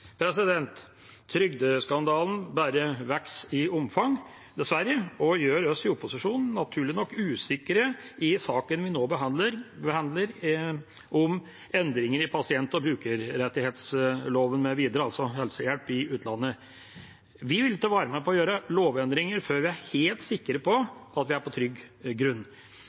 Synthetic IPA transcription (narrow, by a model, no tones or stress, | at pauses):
pʰɾɛsɪd̪ɛnt̪ʰː | ɾʏɡd̪əskɑnd̪ɑːln̩bæːɾəʋæksɪʊmfɑŋ | d̪ɛsʋæɾːəɔjøːɾɔsɪʊpːʊsɪʂuːnn̩ːɑt̪ʰʉːɭɪnɔkːʉːsɪkəɾəɪsɑːkənʋɪnoːbəhɑd̪ləɾbəhɑnd̪ləɾ | ʔɔm | ɛnd̪ɾɪŋəɾɪpʰɑsɪɛnt̪ɔbɾʉːkəɾɾɛt̪ːɪheːt̪sloːʋənmɛʋiːd̪əɾəɑlsɔhɛlsəjælpɪʉːt̪ʰlɑnːə | ʋɪʋɪlːt̪ʰːɑːʋɑːɾəmɛpʰɔɔjøːɾəloːʋɛnd̪ɾɪŋəɾføːɾʋɪæɾheːlt̪sɪkːəɾəpʰɔʔɑt̪ʋɪæɾpʰɔt̪ʰɾʏɡɡɾʉnː